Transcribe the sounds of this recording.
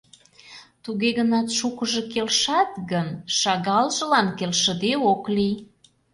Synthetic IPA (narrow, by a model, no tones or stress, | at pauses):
t̪uɣeɣənɑt̪ʃukə̆ʒɤ̽kelʃɑt̪ɣənʃɑɣɑlʒə̆lɑnkelʃə̆d̪eoklij